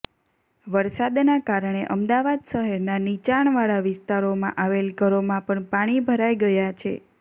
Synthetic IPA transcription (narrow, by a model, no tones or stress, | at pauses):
ʋəɾsad̪nakaɾəɳeʔəmd̪aʋad̪ʃəɦɛɾnanit͡ʃaɳ̃ʋaɭaʋɪst̪aɾomã̰ʔaʋelkəɾomãpəɳpaɽ̃ibʱəɾajɡəjat͡ʃʰḛ